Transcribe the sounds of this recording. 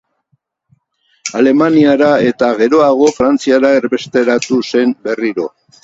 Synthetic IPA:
ale̞maniaɾae̞t̪aɣe̞ɾo̞aɣ̞o̞fɾant͡siaɾae̞ɾβe̞st̪e̞ɾat̪use̞mbe̞riɾo̞

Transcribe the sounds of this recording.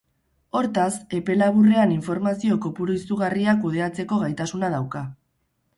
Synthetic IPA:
o̞ɾt̪ase̞pe̞laβure̞aniɱfo̞ɾmasio̞kopuɾoisuɣariakuð̞e̞at͡se̞ko̞ɣajt̪asunað̞awka

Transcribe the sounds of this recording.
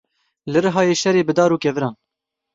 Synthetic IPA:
lɨɾɨɦɑːjeːʃɛɾeːbɨd̪ɑːɾuːkɛvɨɾɑːn

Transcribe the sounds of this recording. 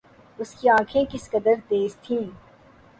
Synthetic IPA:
ʊskiãːkʰẽkɪskɐd̪əɾd̪eːzt̪ʰĩː

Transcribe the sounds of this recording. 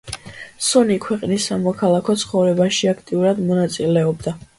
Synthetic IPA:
sɔnikʰwɛqʼnisːamɔkʰalˠakʰɔt̪sʰχɔvɾɛbaʃiakʰt̪ʼiuɾad̪mɔnat̪sʼilɛɔbd̪a

